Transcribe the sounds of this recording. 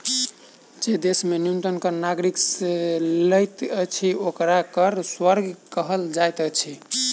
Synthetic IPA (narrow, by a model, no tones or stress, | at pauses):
d͡ʒed̪esmeniunt̪ənkəɾnaɡɾikseləjt̪ət͡ʃʰiokɾakəɾswəɾɡʱkəɦəld͡ʒajt̪ət͡ʃʰi